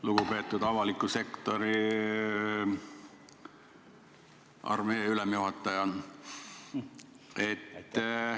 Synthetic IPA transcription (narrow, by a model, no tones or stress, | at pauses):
luɡ̥upe̞ːt̪ːˑud̪ɑvɑlikːˑuse̞kt̪o̞ɾi | ʔɑ̰rme̞ːylemjuhɑt̪ːˑɑjɑn | et̪ː